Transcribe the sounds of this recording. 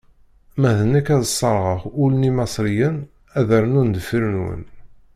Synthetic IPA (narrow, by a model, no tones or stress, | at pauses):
mæðənːækæðəsˤːɑɾˤʁəχʊlnimɑsˤɾijən | æðæɾnund̪əfiɾənwə̰n